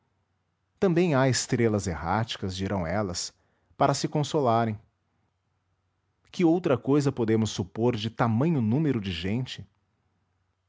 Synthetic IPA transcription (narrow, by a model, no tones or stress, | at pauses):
t̪ɐ̃mbẽj̃aɪst̪ɾelɐzeɦat͡ʃi̥kɐzd͡ʒiɾɐ̃w̃ɛlɐs | paɾɐsɪkõsolaɾẽj̃ | kɪowt̪ɾɐkojzɐpod̪ẽmʊsːupoɾd͡ʒɪt̪amɐ̃ɲʊnũmeɾʊd͡ʒɪʒẽnt͡ʃɪ̥